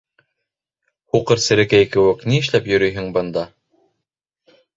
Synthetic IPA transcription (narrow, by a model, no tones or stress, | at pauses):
huqɤɾsɘ̆ɾɘ̆kæjkɘ̆wɘkniɘ̆ʃlæpjɵ̆ɾɵjɦɘŋbɤ̆nd̪ɑ